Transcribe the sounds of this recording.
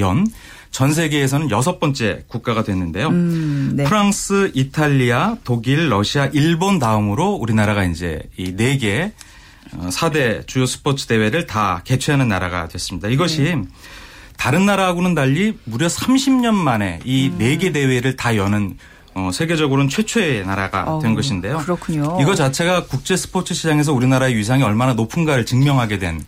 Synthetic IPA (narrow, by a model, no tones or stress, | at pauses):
jʌn | t͡ɕʌns̬ʰe̞ɡe̞ːs̬ʰʌnɯnjʌs̬ʰʌp͈ʌnt͡ɕ͈e̞kuk̚k͈aɣadwe̞nːɯnde̞jo | pʰɯɾaŋs͈ʰɯitʰaʎːiatoɡiɭːʌɕʰiaʔiɭbonːaɯmɯɾouɾinaɾaɣaind͡ʑe̞̰ine̞ɡe̞ | ʌsʰade̞t͡ɕujosʰɯ̥pʰot͡ɕʰɯ̥de̞we̞ɾɯɭtake̞t͡ɕʰeɦanɯnːaɾaɡa̰dwe̞s͈ɯmɲidaiɡʌɕʰi | taɾɯnːaɾaɦaɡonɯndaʎːimuɾjʌsʰamɕʰimɲʌnmane̞ine̞ɡe̞de̞we̞ɾɯɭtajʌnɯn | ʌsʰe̞ɡe̞d͡ʑʌɡɯɾont͡ɕʰwe̞t͡ɕʰoe̞naɾaɡa̰we̞nɡʌɕʰinde̞joɯɾkʰɲoiɡʌt͡ɕat͡ɕʰe̞ɡakuk̚t͡ɕ͈e̞sʰɯ̥pʰot͡ɕʰɯɕʰid͡ʑaŋe̞s̬ʰʌuɾinaɾaeɥisʰaŋiʌɭmananopʰɯnɡaɾɯɭt͡ɕɯŋmjʌŋɦaɡe̞dwe̞̰n